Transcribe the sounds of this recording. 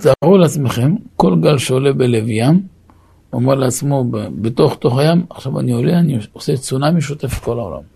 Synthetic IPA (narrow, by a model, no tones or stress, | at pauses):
zaʁuleat͡sme̞χe̞mko̞lɡalʃeole̞belevjam | omeʁleat͡smobebeto̞χt̪o̞χajamaχʃava̰nioleanioset͡sunamiʃ̬ut̪efe̥t̚ko̞lao̰la̰m